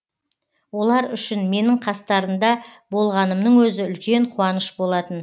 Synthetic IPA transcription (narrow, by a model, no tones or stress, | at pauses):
wo̞lˠɑɾʏʃɪnme̞nɪɴqʰɑst̪ɑɾəmd̪ɑ | bo̞lˠʁɑnəmnəɴwɵzɪʏlkʲe̞ɴqʰuwɑnəʃbo̞lˠɑt̪ən